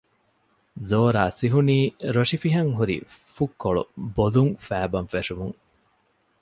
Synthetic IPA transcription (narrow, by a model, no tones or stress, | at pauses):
zoːɾa̰ːsiɦuniːɾoʂifiɦɐŋɦuɾḭfukːoɭṵboluŋfæːbɐnfeʂumuŋ